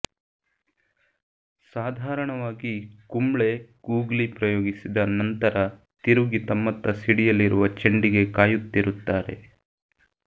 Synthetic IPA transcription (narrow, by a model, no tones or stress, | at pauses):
saːd̪ʱaːɾɐɳɐʋaːɡikumɭekuːɡlipɾɐjoːɡisid̪ɐnɐnt̪ɐɾɐ | t̪iɾuɡit̪ɐmːɐt̪ːɐsiɽijɐlːiɾuʋɐt͡ʃeɳɖiɡe̞kaːjut̪ːiɾut̪ːaːɾe̞̰